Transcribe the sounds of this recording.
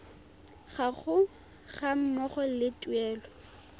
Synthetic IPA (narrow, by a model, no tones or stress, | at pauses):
χaχʊ | χam̩mɔχɔlɪtʼuɛːlɔ